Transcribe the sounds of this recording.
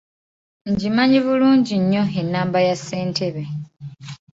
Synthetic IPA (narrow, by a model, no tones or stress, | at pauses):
ɲɟimaɲiβuluːɲɟiɲːo̞enːaːmbajase̞ːntʰe̞βe̞